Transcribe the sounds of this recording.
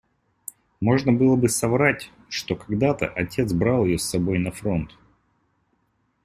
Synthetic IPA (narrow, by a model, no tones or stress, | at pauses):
mo̞ʐnəbɨlˠəbɨsɐvɾatʲ | ʂt̪o̞kɐɡd̪at̪ə̰ʔɐtʲe̞t̪sbɾalˠjɪjosːɐbo̞jnɐfɾo̞nt̪